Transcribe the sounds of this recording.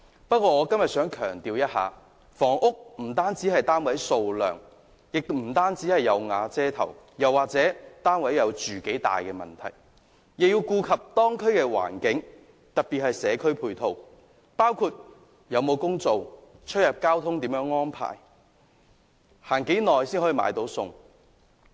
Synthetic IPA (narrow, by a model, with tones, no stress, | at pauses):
pɐ˥t̚kʷɔː˧ŋɔː˨˧kɐ˥mjɐ˨t̚sœː˨˥ŋkʰœː˨˩ŋt̪iː˨wjɐ˥t̚ha̰ː˨˧ | fɔː˨˩ŋʔʊ˥k̚m̩˨˩t̪aː˥nt͡siː˨˥hɐ˨jt̪aː˥nwɐ˨˥jso˧wlœ̰ː˨ŋ | jɪ˨k̚m̩˨˩t̪aː˥nt͡siː˨˥hɐ˨jːɐ˨˧wŋaː˨˧t͡sɛː˥t̪ʰɐ̰˨˩w | jɐ˨˩wːaː˨k̚t͡sɛː˨˥t̪aː˥nwɐ˨˥jɐ˨˧wt͡ʃyː˨ke˨˥jt̪a̰ː˨jkɛː˧mɐ̰˨nt̪ʰɐ̰˨˩j | jɪ˨k̚jiː˧wkuː˧kʰɐ˨p̚t̪ɔː˥ŋkʰɵ˥ɥkɛː˧wa̰ː˨˩nkɪ˨˥ŋ | t̪ɐ˨t̚piː˨t̚hɐ˨jsɛː˨˧kʰɵ˥ɥpʰuː˧jt̪ʰo˨˧w | paː˥wkʰuː˨t̚ | jɐ˨˧wmo˨˧wkʊ˥ŋt͡so˨wt͡ʃʰɵ˥t̚jɐ˨˩p̚kaː˥wt̪ʰʊ˥ŋt̪iː˨˥mjœː˨˥ŋːɔː˥npʰa̰ː˨˩j | haː˨˩nke˨˥jnɔː˨jsiː˥nhɔː˨˥i˨˧ma̰ː˨˧jt̪o˨˧˥wsʊ˧ŋ